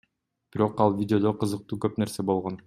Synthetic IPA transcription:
b̥iɾo̞qɑlˠvʲidʲɪo̞d̪oqɯzɯq̚t̪uːkøpne̞ɾse̞bo̞lˠʁo̞n

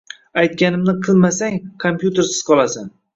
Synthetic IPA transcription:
ajt̪̚kʲanɪmnɪqʰɨlˠmasaŋkʰompjut̪ʰe̞ɾsɪz̥qʰɒlˠasan

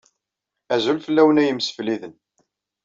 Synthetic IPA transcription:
æzulfəlːæwənæjəmsə̥fliðən

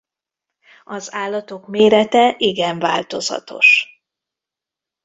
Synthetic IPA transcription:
ɒzaːlːɒt̪o̞kmeːɾɛt̪ɛʔiɡɛɱvaːlt̪o̞zɒ̰t̪o̞̰ʃ

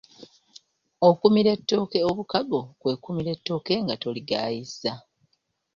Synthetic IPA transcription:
okumiɾe̞tːo̞ːke̞oβukaɡo̞kwe̞kumiɾe̞tːo̞ːke̞ŋɡato̞liɡaːjiza

